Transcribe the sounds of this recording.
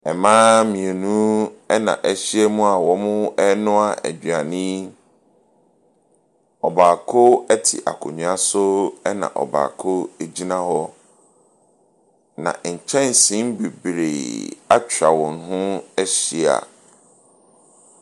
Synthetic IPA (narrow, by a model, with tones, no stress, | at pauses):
ɛ˨mãː˦mĩ˨e˨nũ˦ɛ˦nã̰˨ʔɛ˦ɕi˦ɛ˦mũ˦a˨wɔ˦mʊ̃˦ɛ˦nʊ̃˦a˨ʔæ̰˨d͡ʑa˨nĩ˦ | ɔ˨baː˨kʰʊ˦ɛ˦tʰɪ̰˨ʔa̰˨kʰʊ˨ɲũ˨a˦sʊ˦ɛ˦nã̰˨ʔɔ̰˨ba̰ː˨kʰʊ˦e˨d͡ʑi˦nã˦hɔ˦ | nã̰˨ɲ̩˨t͡ɕʰɛ̃˦n˨sĩ˦m˦be˨bɾḛ˨a˦t͡ɕʰᶣɾa˨wɔ̃˨n˦ɦʊ̃˦ɛ˦ɕi˦˨a̰˨